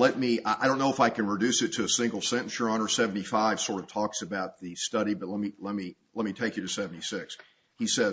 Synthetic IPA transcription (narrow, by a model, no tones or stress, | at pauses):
lɛt̚miaɪɾõʊ̃nːoʊəfaɪkɨ̃nɹɨdʉsɨtʰɨːsɪ̃ŋɡl̩ˠsɛ̃ɾ̃ɨ̃n̩sjə˞ə̃nə˞sɛvn̩ifaɪv̥sɔɹɾʌv̥tʰɔksɨbaʊt̪̚ðɨstʌɾibʌt̚ˡlɛt̚milɛt̚milɛt̚mitʰeɪkjɨɾɨsɛvn̩isɪks | hisɛz